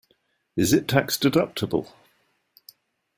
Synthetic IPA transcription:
ɪzɪtʰakstədʌp̚tʰəbə̰lˠ

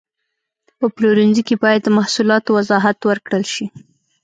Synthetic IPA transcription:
pəploɾinzikebɑjad̪̚ːəmahsulɑt̪owazɑɦat̪wəɾkɽəlʃi

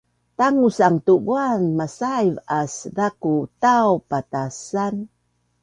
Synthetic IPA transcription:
taŋusaŋtuɡuanmasajvasdakutawpatasan

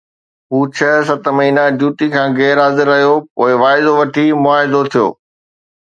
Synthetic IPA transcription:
ɦuːt͡ɕʰɐs̬ɐt̪mɐɦiːnad͡ʑuːʈikʰãːɣɛːɾɦaːzɪɾːɐɦijopo̰ːɪʋaːɪd̪oʋɐʈʰimʊaːɦɪd̪ot̪ʰijo̰ː

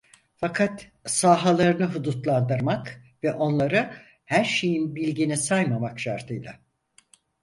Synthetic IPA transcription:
fakʰat̪ | saːɦalˠaɾɯnɯɦud̪ut̪lˠand̪ɯɾmak | vɛʔo̞nlˠaɾɯ | hæɾʃe̞jinbilʲɟinisajmamakʃa̰ɾt̪ʰɯjlˠa̰

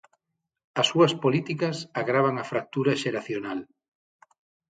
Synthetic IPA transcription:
ɐsːuɐspolit̪ikɐsaɣɾaβ̞aŋafɾak̚t̪uɾɐʃeɾaθjonal

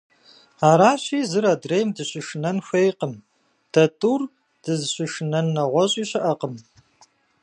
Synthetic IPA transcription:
aːɾaːɕiːzɨɾadrejmdɨɕɪʂɨnɐnxʷejqəm | d̥ɐtʼuːr | d̥ɨzɕɪʂɨnɐnːɐʁʷɐɕʼiːɕɐʔɐqəm

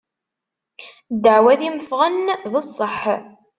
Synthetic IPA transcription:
d̪əʕwæðiməfʁənðəsˤːəħ

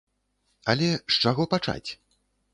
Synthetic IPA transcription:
ɐlʲɛʂt͡ʂaɣɔpat͡ʂa̰t͡sʲ

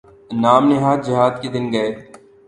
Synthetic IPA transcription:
naːmnɪɦaːd̪̚d͡ʒɪɦaːd̪ked̪ɪnɡɐeː

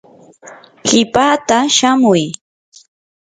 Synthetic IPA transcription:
ɢɪpaːt̪aʃamʊj

